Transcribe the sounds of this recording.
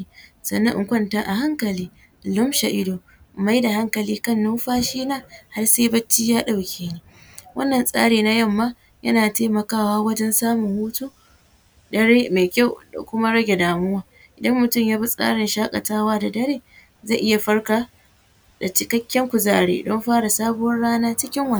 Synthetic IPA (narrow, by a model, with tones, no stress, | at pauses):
sɐ̰˨nːɐ˦ŋʔɪ˨kʷɐ˦˨ntaː˦ʔa˨ɦa˦ŋkɐ˨liː˦ | lʊ˦mʃa˨ʔɪ˦doː˨ | ma˦jda˨ɦa˦ŋkɐ˨liː˦kɐ˦˨nːu˦ɸaː˦ʃiː˦naː˦˨ha˦rseː˦bɐ˦t͡ʃːiː˦jaː˦ɗa˨wkʲʰeː˦niː˦ | wʔɐ̰˦nːɐ˨nsʼa̰ː˦ɽeː˨na˦jɐ˦˨mːaː˦ | jɐ̰˦naː˨teː˦mɐ˨kaː˦waː˦wɐ˦d͡ʒɛ˦nsaː˦mʊ˨ŋhuː˦tuː˦ | dɐ˦ɽeː˦me˨kʲa˦˨wda̰˨kʷʊ˦ma˦ɽɐ˦ɡʲe˨daː˨mʊ˦waː˦ | ʔɪ˨dɐ˦mːʊ˨tʊ˦˨mjaː˦bi˦sʼa̰ː˦ɽɪ˨nʃaː˦kʼɐ˨taː˦waː˦da˨dɐ˦ɾeː˦ | za˦˨ʔɪ˦ja˨ɸɐ˦rka˨ | da˨t͡ʃɪ˦kɐ˦kʲːɐ˦ŋkʷʊ˨zaː˦˨ɽḛː˦dɔ˦mɸaː˦ɽa˨saː˦bʊ˦wɐ˦rɽaː˦naː˦t͡ʃɪ˦kʲɪ˦ŋwɐ˨˦